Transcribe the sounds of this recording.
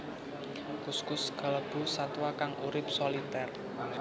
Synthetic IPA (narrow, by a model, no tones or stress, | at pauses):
kuskʊsɡ̥ə̤ləb̥ṳsat̪wakaŋuɾɪp̚solit̪ɛr